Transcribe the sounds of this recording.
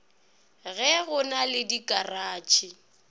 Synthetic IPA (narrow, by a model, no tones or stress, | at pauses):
ɣɛɣʊnalɪdikʼaraːt͡ʃʰʼɪ